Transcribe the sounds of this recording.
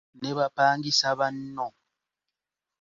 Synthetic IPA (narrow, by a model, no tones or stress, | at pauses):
nɛβapaːŋɡisaβan̩nɔ